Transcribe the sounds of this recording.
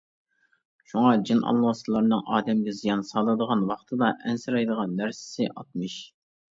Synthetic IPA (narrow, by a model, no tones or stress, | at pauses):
ʃuŋɑd͡ʒinʔɑ̰lˠːɑslˠɑɾnɨŋɑːd̪ɛmɡʲɛzijɑnsɑlˠɨd̪əʁɑnwɑχt̪ʰɨd̪ɑʔɛnsɪɾɑjd̪əʁɑnːæɾsɪ̥sɪʔɑ̰t̪̚mɨʃ